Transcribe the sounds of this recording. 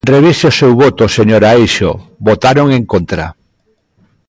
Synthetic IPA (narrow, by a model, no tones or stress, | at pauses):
reβ̞iseosewβot̪oseɲoɾaejʃo̰bot̪aɾoŋẽŋkont̪ɾa̰